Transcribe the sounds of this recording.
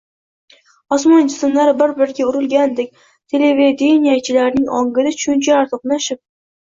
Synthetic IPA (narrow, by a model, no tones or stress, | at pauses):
ɒsmɒnd͡ʒɪsɪmlaɾɪbɪɾbɪɾɪɡʲaʊɾɪlɡʲand̪ek̚ʲ | t̪ʰe̞leved̪enʲijat͡ʃʰɪlaɾnɪŋɒŋɡɪd̪ɪt͡ʃʰʊnt͡ʃʰaːɾt̪ʰoqnaʃɪp̚